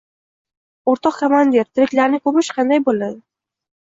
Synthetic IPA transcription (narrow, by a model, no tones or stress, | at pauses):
oɾt̪ʰɒqkʲʰamand̪eɾt̪ʰɪɾɪkʲlaɾnɪkʰɵpɪʃqʰɑnd̪ajbolad̪ɪ